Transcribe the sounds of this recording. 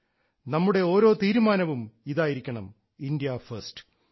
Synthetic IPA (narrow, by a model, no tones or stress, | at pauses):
nɐmːuɽe̞o̞ːɾo̞ːt̪iːɾumaːnɐʋumiðaːjiɾikʲːɐɳɐm | indijɐfɐrsʈɨ̥